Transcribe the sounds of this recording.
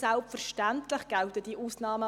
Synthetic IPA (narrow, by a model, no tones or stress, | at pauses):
sɛlpfəɾʃtantlɪχɡ̥altədiʔuːsnɑːmə